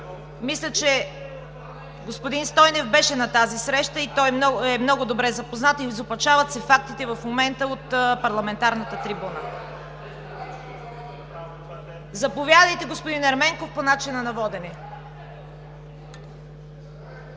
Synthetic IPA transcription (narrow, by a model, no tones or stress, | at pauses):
mislʲət͡ʃɛ | ɡospod̪inst̪ɔjnɛvbɛʃɛnɐt̪azisɾɛʃt̪əit̪ɔj̪ɛmnɔɡʊd̪obɾɛzɐpoznat̪izopɐt͡ʃavɐt̪sɛfak̚t̪it̪ɛvɐfmomɛnt̪əot̪pɐɾlˠɐmɛnt̪aɾnət̪ət̪ɾibunə̰ | zɐpovʲjad̪əjt̪ɛɡospod̪inɐɾmɛŋkofponat͡ʃinɐnɐvɔd̪ɛnɛ